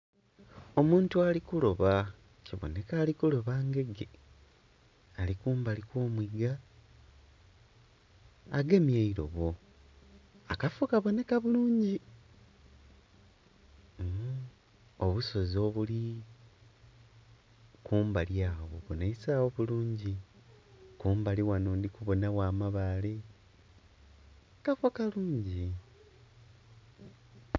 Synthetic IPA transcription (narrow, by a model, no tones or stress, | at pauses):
o̞muːntualikulo̞βa | ciβo̰ne̞kaːlikulo̞βaːŋɡe̞ɡe̞̰ | alikuːmbalikwo̞ːmwiɡa | ɡe̞mjaiɾo̞̰βo̞ | akafukaβo̞ne̞kaβuluːɲɟi | oβuso̞zo̞βuli | kuːmbaljaːwoβoneisaːwoβuluːɲɟi | kuːmbaliwanoːndikuβo̞nawaːmaβale | kafokaluːɲɟi